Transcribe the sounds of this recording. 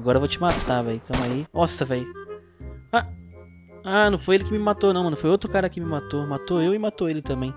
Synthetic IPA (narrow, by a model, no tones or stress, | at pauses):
ɡɔɾɐvot͡ʃɪmat̪avɛjkɐ̃maiɔsɐvɛj | a | anɐ̃w̃fojelɪkɪmɪmat̪onɐ̃w̃mɐ̃ñfojowt̪ɾʊkaɾɐkɪmɪmat̪omat̪oewɪmat̪oelɪt̪ɐ̃mbẽj̃